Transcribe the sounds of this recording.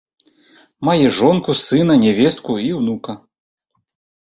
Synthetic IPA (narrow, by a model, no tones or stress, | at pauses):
majɛʐɔnkusɨnɐnʲɛvʲɛst̪̚kuiwnukɐ